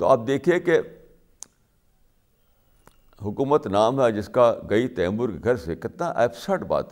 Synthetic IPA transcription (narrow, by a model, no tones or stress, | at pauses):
t̪o̰aːp̚d̪eːkʰieke | ɦʊkuːmət̪naːmɦɛd͡ʒɪskaɡɐit̪ɛːəmːʊɾkɡʱɐɾsɪkət̪naʔɛ̰ːpʰsəʈba̰ːt̪